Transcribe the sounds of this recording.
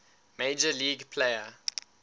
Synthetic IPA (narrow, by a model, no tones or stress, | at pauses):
meɪd͡ʒəliːɡpʰleɪə